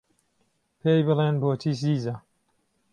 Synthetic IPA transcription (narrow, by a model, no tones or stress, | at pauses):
pʰeːjbɨleːnboːt͡ʃʰiːs̬iːza